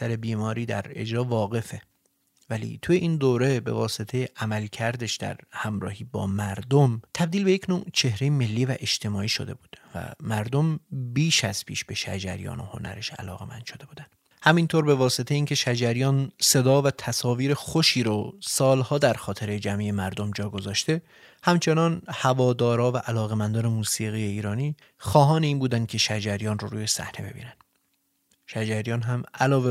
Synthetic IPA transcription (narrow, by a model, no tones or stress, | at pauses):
sæɾe̞biːmɒːɾiːd̪æ̰ɾe̞̰d͡ʒɾɒːvɒːɣe̞fe̞ | vælḭːt̪ʰuːjeʔiːnd̪oːɾebe̞̰vɒːse̞t̪ʰe̞jeʔæmælcʰæɾd̪eʃd̪æ̰ɾhæmɾɒ̰ːhiːbɒ̰ːmæɾd̪omt̪ʰæb̚d̪iːlbe̞jecʰnoːt͡ʃʰe̞hɾejeme̞lːiːvæʔe̞ʃt̪ʰe̞mɒːiːʃod̪e̞buːd̪̥væ̰mæɾd̪o̞mbiːʃæz̥pʰḭːʃbe̞ʃæ̰d͡ʒæ̰ɾijɒ̰ːno̞̰ho̞̰nʔæ̰ɾe̞ʃæ̰lɒ̰ːɣe̞̰mænd̪̥ʃo̞d̪e̞buːd̪ænd̪ | hæmint̪ʰoːɾbe̞vɒːse̞t̪ʰejiːncʲʰe̞ʃæd͡ʒæɾijɒːnse̞d̪ɒːvæt̪ʰæsɒːviːɾexoʃiːɾɔsɒːlhɒːd̪æɾxɒːt̪ʰe̞ɾe̞d͡ʒæmiːjemæɾd̪omd͡ʒɒːɡo̞zɒːʃt̪e̞ | hæmt͡ʃʰe̞nɒnhævɒːd̪ɒːɾɒːvæʔælɒːɣe̞mænd̪ɒːne̞muːsiːɣiːje̞iːɾɒːniː | xɒːɦɒːneiːnbuːd̪æn̥̚cʲʰe̞ʃæd͡ʒæɾijɒːnroɾuːje̞sæ̰hne̞be̞̰bḭːnænd̪̥ | ʃæd͡ʒæɾijɒːnɦæmælɒːve